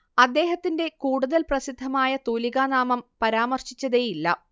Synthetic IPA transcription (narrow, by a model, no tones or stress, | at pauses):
ɐd̪ːe̞ːɦɐt̪ːinde̞kuːɽuðɐlprɐsid̪ʱːɐmaːjɐt̪oːliɣaːnaːmɐmpɐɾaːmɐrɕit͡ɕːɐðejilːɐ̰